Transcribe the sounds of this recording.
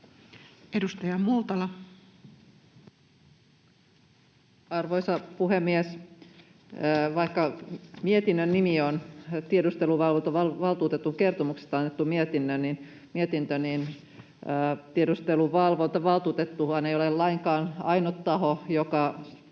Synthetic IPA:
edust̪ɑjɑmult̪ɑlɑ | ɑrʋojsɑpuɦemːies | ʋɑikːɑmiet̪inːønːimiont̪iedust̪eluʋɑlʋont̪ɑʋɑlʋɑlt̪uːt̪et̪ːuŋke̞rt̪omukse̥st̪ɑnːet̪ːumiet̪inːønnin | miet̪int̪øninː | t̪iedust̪eluʋɑlʋont̪ɑʋɑlˠt̪uːt̪et̪ːuhɑnejolelɑiŋkɑːnɑinot̪tːɑɦojokɑ

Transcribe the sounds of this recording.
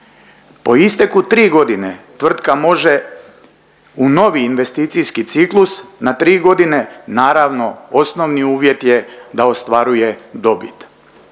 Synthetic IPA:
po̞ist̪ekut̪ɾiːɡo̞d̪inet̪ʋr̩t̪kamo̞ʒe̞ | uno̞ʋiːnʋe̞st̪iːt̪sijskit̪siklusnat̪ɾiːɡo̞d̪ine̞naːɾaʋno̞osno̞ʋniuːʋje̞t̪jed̪aost̪ʋaɾuje̞d̪o̞bit̪

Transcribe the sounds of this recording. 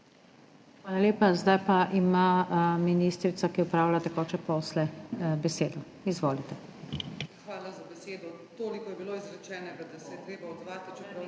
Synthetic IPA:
xʋaːlaleːpazd̪ajpaʔimaminiːst̪ɾit̪sakiɔpɾaːwlat̪ɛkɔːt͡ʃɛpɔːslɛbɛseːd̪ɔ | izʋoːlit̪ɛ | xʋaːlazabɛseːd̪ɔ | t̪oːlikɔjɛbiloːizɾɛt͡ʃɛːnɛɡad̪asɛjɛt̪ɾeːbaɔd̪zʋaːt̪t͡ʃɛpɾaw

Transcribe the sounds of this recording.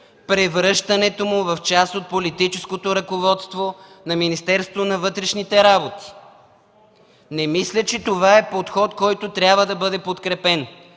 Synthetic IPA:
pɾɛvɾɤʃt̪ɐnɛt̪omʊvɐft͡ʃast̪ot̪̚polit̪it͡ʃɛskot̪oɾɐkovɔt̪st̪vo | nɐminist̪ɛɾst̪vonɐvɤt̪ɾɛʃnit̪ɛɾabot̪i̥ | nɛmislʲət͡ʃɛt̪ovaɛpot̪xɔt̪kɔjt̪ʊt̪ɾʲjabvəd̪ɐbɤd̪ɛpot̪kɾɛpɛn

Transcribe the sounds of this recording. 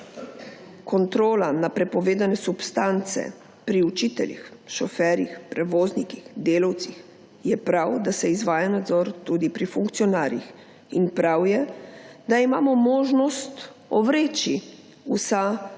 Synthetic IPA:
kɔnt̪ɾoːlanapɾɛpɔʋeːd̪anɛsupst̪ant̪sɛ̰ | pɾiut͡ʃiːt̪ɛlḭxʃɔfɛːɾjixpɾɛʋoːznikixd̪eːlawt̪six | jɛpɾawd̪asɛizʋaːjanad̪zɔɾt̪ud̪ipɾifuŋkt̪sijɔnaːɾjḭx | inpɾawjɛd̪aimaːmɔmoːʒnɔst̪ | ɔ̰ʋɾeːt͡ʃi | usa

